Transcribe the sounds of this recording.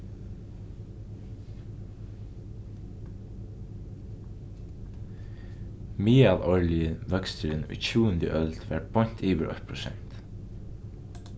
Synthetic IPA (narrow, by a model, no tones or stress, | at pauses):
miːaːlɔɹlɪɪʋœkst̪ɪɾɪnṵjcʰuːənd̪ə̰ʔœlt̪ʋæ̰ʈ̚b̥ɔn̥t̪ʰiːʋɪɾʔɔ̰ht̪pʰɹʊsɛ̰n̥t̪